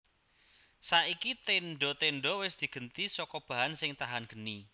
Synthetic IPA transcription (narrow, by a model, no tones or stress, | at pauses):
saikit̪enɖɔ̤t̪eɳɖɔ̤wɪsd̪̥i̤ɡ̥ə̤nt̪isɔkɔb̥ä̤ɦansɪŋt̪aɦanɡ̥əni